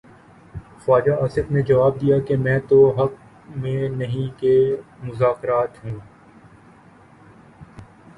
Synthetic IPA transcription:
faːd͡ʒaaːsɪfned͡ʒɐʋaːb̚d̪ijakemɛ̃ːt̪oɦɐk̚ | mẽnɐɦĩkemʊzaːkɪɾaːt̪ɦũː

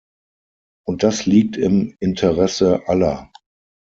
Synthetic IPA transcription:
ʔʊnt̚d̥asliːk̚tɪmɪntʰəʁɛsəʔalɐ

